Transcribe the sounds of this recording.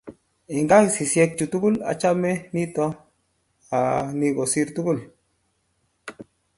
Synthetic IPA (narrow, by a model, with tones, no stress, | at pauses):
i˨ŋɡa˦˨si˨sje˧k̚t͡ʃu˨tu˦ku˦la̰˨t͡ʃa˦me˦ni˦tɔ˧ | a˨ni˧ɡo˨si˧ɾtu˦ku˦˨l